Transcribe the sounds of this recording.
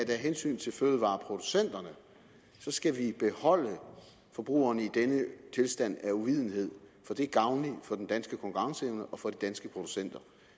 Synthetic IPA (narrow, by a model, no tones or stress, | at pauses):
æd̥æɦensy̰ːn̩t͡sʰe̝lføðˠəʋɑ̰̈ːpʰʁo̝d̥usen̰d̥ɐnə | sɒ̽sɡ̥æʋib̥e̝hɒ̽l̰ə | fɒ̽b̥ʁṵːɐnəid̥enət͡sʰe̝lsd̥æn̰æuʋið̞̰ˠn̩ɦe̝ð̞̰ˠfɒ̽d̥e̝æɡ̥ɑ̈ʊnlifɒ̽d̥end̥ænsɡ̥əkʰɒ̽ŋkuʁɑ̈ŋsəeʊnəʔɒ̽fɒ̽d̥id̥ænsɡ̥əpʰʁo̝d̥u̥sen̰d̥ɐ